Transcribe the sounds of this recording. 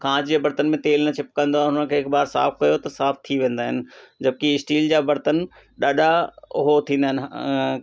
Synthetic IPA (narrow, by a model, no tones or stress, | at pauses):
kʰãːd͡ʑd͡ʑebɐɾt̪ənɪ̆mẽt̪eːlnɐt͡ɕʰɪpkɐ̃nd̪oãɦʊnənəkʰeːɪkbaːɾsa̰ːfkɐjot̪ɐsaːft̪ʰiʋẽːn̆d̪aːɦɪnɪ̆d͡ʑɐbɪkiɪsʈiːld͡ʑaːbɐɾt̪ənɪ̆ | ɗaːɗʱaʊɦot̪ʰĩːnd̪aːɦɪnɪ